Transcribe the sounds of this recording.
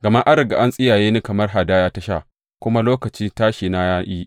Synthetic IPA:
ɡɐ˨ma˦ʔa˦ɾɪ˨ɡa̰˨ʔa˦nsʼɪ˦jaː˨jeː˦ni˦kɐ˨mɐ˦rɦa˨daː˦jaː˦ta˦ʃa̰˦˨ʔ | kʷʊ˦ma˦loː˦kɐ˨t͡ʃi˦ntaː˦ʃiː˨na˦jaː˦ʔiː˦ʔ

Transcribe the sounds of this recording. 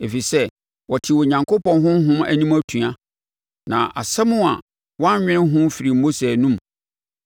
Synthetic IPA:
e˨fi˨sɛ˦ | wɔ˨tʰɪ˨wɔ˨ɲã˨ŋkʰo˦pɔ̃˨nɦʊ̃˦m˦ɦʊ̃˦mæ̰˨nĩ˦mæ˦tʰũ˨a˦ | nã̰˨ʔa˨sɛ˦mũ˦a̰˨ | wã˦ɲᶣɪ̃˦ɦʊ̃˦m˦fi˨ɾi˨m̩˦mo˦sɛ˨nũ˦m

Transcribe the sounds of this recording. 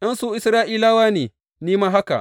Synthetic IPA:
jɐ˦nsuː˦ʔɪ˦sɾaː˦ʔiː˦laː˦waː˦neː˨ | niː˦maː˦ɦa˦ka̰˨

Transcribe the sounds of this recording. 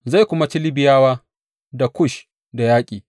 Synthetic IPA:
za˦˨kʷʊ˦ma˦t͡ʃɪ˦lɪ˦bɪ˨jaː˦waː˦ | da˨kʷʊ˦ʃ | da˨jaː˦kʲʼiː˨

